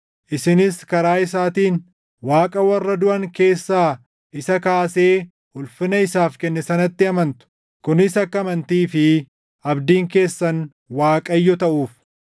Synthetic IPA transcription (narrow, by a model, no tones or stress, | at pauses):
ʔɪsɪnɪskɐɾaːɪsaːt̪iːn | waːkʼɐwɐrːɐd̪ʊʔɐŋke̞ːsːaː | ʔɪsɐkaːse̞ː | hʊlfɪnɐɪsaːfkɛnːɛsɐnɐt̪ːɪɐmɐnt̪ʊ̥ | kʊnɪsɐkːɐɐmɐnt̪iːfɪ | ʔɐbd̪iːŋke̞ːsːɐn | waːkʼɐjːɔt̪ɐʔuːf